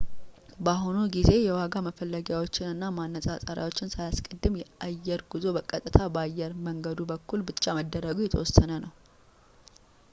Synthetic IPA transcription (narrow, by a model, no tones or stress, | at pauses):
baɦonuɡize̞jɛwaɡaməfəlːəɡjawo̞t͡ʃːɪnɨnːamanːəsʼasʼəɾa̰wo̞t͡ʃːɪnsajaskʼəd̪ːɨmjɛʔajːɛɾɡuzo̞bəkʼət̪ʼɨt̪ʰabajːɛɾməŋɡəd̪ubəkːulbɨt͡ʃʼːaməd̪ːəɾəɡujɛt̪ʰwɔsənənəw